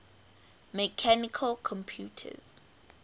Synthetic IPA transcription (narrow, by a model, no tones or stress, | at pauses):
mɛkʰanikʰalkʰɔ̃mpʰjuːtʰə̰z̥